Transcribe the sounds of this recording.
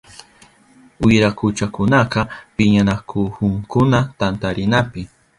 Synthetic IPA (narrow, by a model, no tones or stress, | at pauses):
wɪɾakʊt͡ʃakʊnɑqɑpɪɲanakʰʊhʊŋkʊnat̪ant̪aɾɪnapɪ